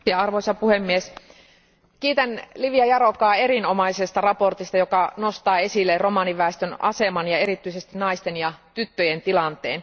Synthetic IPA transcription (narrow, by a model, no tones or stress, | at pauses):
jɑɑrʋoisɑpuhemːies | kiːt̪ænliʋiɑjɑɾokɑːe̞ɾinomɑisest̪ɑrɑpo̞rt̪ist̪ɑjo̞kɑno̞st̪ɑːe̞silːero̞mɑniʋːæest̪ønɑ̰semɑnjɑe̞ɾit̪ːˑyise̞st̪inɑist̪enjɑt̪yt̪ːøjent̪ilɑnt̪ḛːn